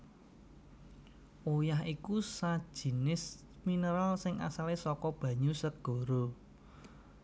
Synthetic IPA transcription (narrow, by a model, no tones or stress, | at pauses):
ʔojahikusad̥ʒ̥i̤nɪs | minəɾalsɪŋa̰salesɔkɔb̥ä̤ɲusəɡ̥o̤ɾo